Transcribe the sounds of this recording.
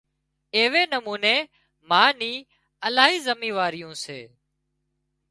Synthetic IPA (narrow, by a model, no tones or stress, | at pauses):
eːʋeːnəmuːneː | mãːniː | əlaːɦiːzəmiːʋaːɾɪjũːsḛː